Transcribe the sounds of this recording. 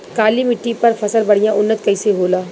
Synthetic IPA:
kaːlimɪʈːipɐɾfʰɐsəlbɐɽ̤ijãʔʊnːət̪̚kɐɪseɦoːlaː

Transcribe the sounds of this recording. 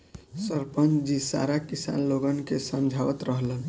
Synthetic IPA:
səɾpənt͡ʃd͡ʒisa̰ɾakisa̰nloɡənkesəmd͡ʒʱaʋət̪ɾəɦlən

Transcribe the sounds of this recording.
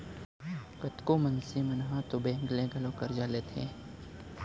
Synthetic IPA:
kɐt̪komɐnsimɐnɦãt̪obẽːŋɡlẽɡɐlõkɐɾd͡ʒalet̪ʰḛ̃ː

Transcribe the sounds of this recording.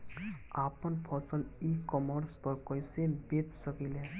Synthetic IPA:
aːpənpʰɔsəlikɔməɾspəɾkəjsebet͡ʃsəkilɦɛ

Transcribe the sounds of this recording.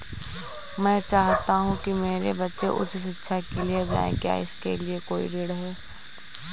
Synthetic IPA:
mɛ̃ːt͡ʃaːɦt̪aɦũkimeːɾebɐtːʃeʔʊ̰t͡ʃsɪtːʃʰakilied͡ʒa̰ːḛ̃kja̰ɪskeliekoːḭɾeːɽɦɛː

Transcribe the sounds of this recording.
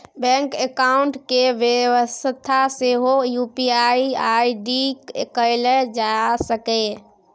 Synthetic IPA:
bɛ̃ŋkekaʊɳʈkeʋjeʋəst̪ʰaseɦojupiaiaiɖikekəɪled͡ʒasəke

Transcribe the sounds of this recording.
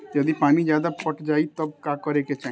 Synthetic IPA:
jɐd̪ipaːmĩd͡ʒjaːd̪apəʈʰd͡ʒaːit̪ɔb̚kaːkəɾeket͡ʃa

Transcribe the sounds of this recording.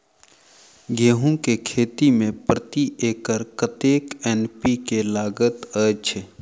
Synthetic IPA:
ɡʱeːɦũkekʰeːt̪imẽpɾət̪iʔeːkəɾkət̪eːkɛːnpikelaːɡət̪əːt͡ʃʰe

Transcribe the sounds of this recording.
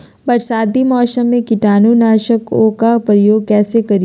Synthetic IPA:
bɐɾsaːd̪imɔːʃəmːẽkɪʈaːnunaːʃəkoːkapɾəjoːɡ̚kɛːsekɐɾi

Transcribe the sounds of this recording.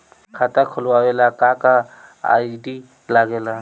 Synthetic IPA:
kʰat̪akʰʊlwawelakakaa̰ːiɖi | laɡeːla

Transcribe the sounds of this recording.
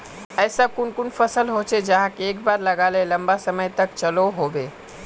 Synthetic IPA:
əjsəb̚kʊnkunpʰəsəlɦot͡ʃʰed͡ʒaɦãkeekbaɾləɡaleləmbasəməjt̪əkt͡ʃəloɦobe

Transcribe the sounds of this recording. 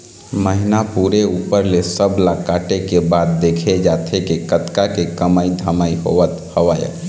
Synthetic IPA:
məɦɪnapuːɾeuːpəɾlesəblakaːʈekebaːd̪̚ːeːkʰed͡ʒaːt̪ʰekekət̪kakekəmaːid̪ʱəmaːiɦo̰ʋət̪həʋaːjə̰

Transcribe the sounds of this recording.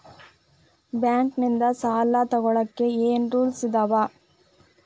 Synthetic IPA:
baːŋknɪnd̪ɐsaːlːaːt̪ɐɣɔɭɐkːeeːnruːlsɪd̪ɐʋaː

